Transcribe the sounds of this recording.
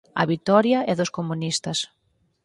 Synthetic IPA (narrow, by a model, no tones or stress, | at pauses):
ɐ̰βit̪ɔɾjɐɛðʊskomunist̪ɐs